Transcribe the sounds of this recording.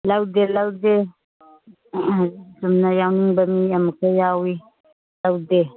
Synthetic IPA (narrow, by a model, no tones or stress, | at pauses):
lawd̪elawd̪e | zəmnajawniŋbamijamukejaːwi | lawd̪e